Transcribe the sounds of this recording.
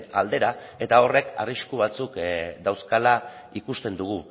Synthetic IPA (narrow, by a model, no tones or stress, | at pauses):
ald̪e̞ɾae̞t̪ao̞re̞ka̰riskuβ̞at͡sukd̪awskala | ikust̪e̞nd̪uɣu